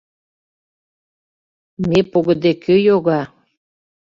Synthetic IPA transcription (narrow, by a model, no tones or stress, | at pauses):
mepoɣə̆d̪ekʰøjoɣɑ